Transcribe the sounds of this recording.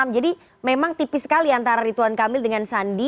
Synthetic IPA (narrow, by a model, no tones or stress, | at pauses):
md͡ʒadi | memaŋt̪ipɪsə̥kaliant̪aɾaɾit̪uankamɪldəŋansandi